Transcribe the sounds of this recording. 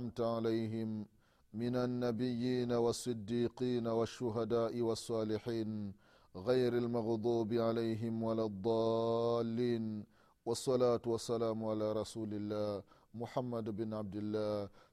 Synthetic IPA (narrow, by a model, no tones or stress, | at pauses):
mt̪ʕalajɦɪmː | ɪnanːabɪjːiːnawɑsˤːɨd̪ːiːqiːnawaʃːʊɦad̪aːʔɪwɑsˤːɑːlɪħiːn | ɣajɾalmɑɣd̪ˤuːbɪʕalajɦɪmwalad̪ˤːɑːlːiːn | wɑsˤːɑlaːt̪wɑsːalaːmʕalaːɾˤɑsuːlɪlːaː | mʊħamːad̪bɪnʕab̚d̪ɪlːaː